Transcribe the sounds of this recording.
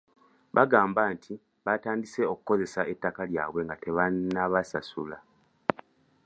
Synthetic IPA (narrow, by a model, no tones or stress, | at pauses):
βaɡaːmbaːntʰi | βataːndise̞o̞ku̥ko̞ze̞sae̞tːakalja̰ːβwe̞ŋɡate̞βanːaβasasula